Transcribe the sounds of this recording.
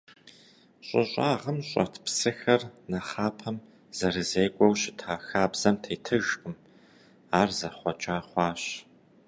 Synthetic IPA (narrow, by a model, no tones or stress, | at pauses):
ɕʼɪ̰ɕʷʼaːʁəmɕʼɐ̰tʰpsɨxɐrnɐχaːpʰɐm | z̥ɐrɨzeːkʷʼɔwɕɪtʰaːxaːbz̥ɐmtʰeːtʰɨʒqʼɨm | aːrzɐχʷɔt͡ʃʼaːχʷɑːɕ